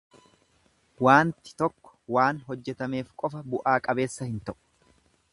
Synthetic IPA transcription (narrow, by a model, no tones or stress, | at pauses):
waːnt̪ɪ̥t̪ɔkːɔ̥waːnɦɔd͡ʒːɛt̪ɐme̞ːfkʼɔfɐbʊʔaːkʼɐbe̞ːsːɐhɪnt̪ɐʔʊ̥